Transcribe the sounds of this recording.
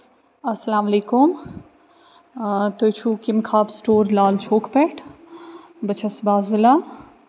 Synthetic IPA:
ɐsɐlaːmɐleːkum | t̪ot͡ʃʰukimkʰaːbsʈoːɾlaːlt͡ʃʰoːkpɛʈʰ | bɐt͡ʃʰɐsbaːzilaː

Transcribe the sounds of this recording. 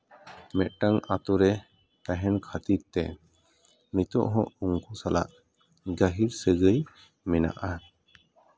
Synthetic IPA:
mɛʔ̪̚ʈaŋat̪ɔɾɛ | t̪aɦɛnkʰat̪iɾ̚t̪ɛ | nit̪ɔ̰ʔɦɔ̃uŋkusala̰ʔ | ɡaɦiɾsəɡəj | mɛna̰ʔa

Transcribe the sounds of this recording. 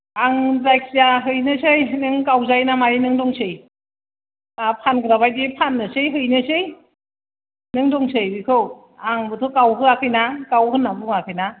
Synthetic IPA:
aŋzajk̚siaɦɯjnɯsɯjnɯŋkawzajnamajnɯŋdɔŋsɯj | apʰanɡɯɾabajdipʰanːɯsɯjɦɯjnɯsɯj | nɯŋdɔŋsɯjbikʰɯw | aŋbɯtʰɔkawɦɯakʰɯjnakawhɯnːabuŋakʰɯjna

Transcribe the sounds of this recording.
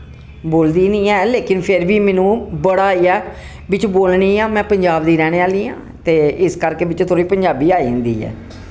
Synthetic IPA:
boːld̪iːnɪ̃ːɛːleːkɪnpʰɪɾbiːmɛ̃ːnũːbəɽaːiːɛː | bɪt͡ʃboːlɳiːãːmɛ̃ːpəɲd͡ʒaːbd̪iːɾɛːɽ̃eːaːliːã̰ː | t̪eːɪskəɾkeːbɪt͡ʃt̪ʰoːɾiːpəɲd͡ʒaːbiːaːiːə̃nd̪ḭːɛ̰ː

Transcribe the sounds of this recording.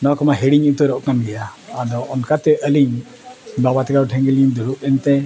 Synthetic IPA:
nɔkɔmaɦɛɽiɲut̪ɔɾɔʔkanɡɛjaːd̪ɔʔɔnkat̪ɛʔəliɲ | babat̪ɛkaɾuʈʰɛŋɡɛliɲd̪uɾuʔɛnt̪ɛ

